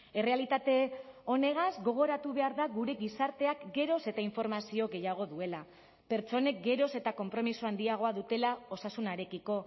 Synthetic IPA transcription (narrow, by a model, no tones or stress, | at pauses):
e̞re̞alit̪at̪e̞o̞ne̞ɣazɡo̞ɣ̞o̞ɾat̪uβe̞aɾðaɣuɾe̞ɣisaɾt̪e̞akɡe̞ɾo̞se̞t̪aiɱfo̞ɾmasio̞ɡe̞jaɣ̞o̞ðue̞la | pe̞ɾt͡ʃt͡so̞ne̞k̚ɡe̞ɾo̞se̞t̪ako̞mpɾo̞misuand̪iaɣ̞o̞aðut̪e̞lao̞sasunaɾe̞kiko̞